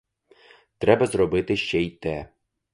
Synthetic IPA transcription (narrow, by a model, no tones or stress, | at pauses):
t̪ɾɛbɐzɾɔbɪt̪ɪʃt͡ʃɛit̪ɛ